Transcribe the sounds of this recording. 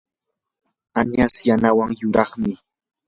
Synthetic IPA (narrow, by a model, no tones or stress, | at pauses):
aɲasjanawaŋjʊɾɑχmɪ